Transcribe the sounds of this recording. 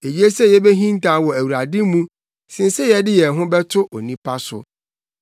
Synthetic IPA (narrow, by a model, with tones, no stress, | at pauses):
e˨ji˦e˦sɛ˦jɛ˦bɛ˦ɦĩ˦n˦tã˦wɔ˨æ˨wu˨ɾa˨dɪ˦mũ˦ | sɪ̃˨n˦sɛ˦jɛ˨˦dɪ˦jɛ˨ɦʊ̃˦bɛ˦tʰʊ˦ʔo˨nĩ˦pʰa˦sʊ̰˨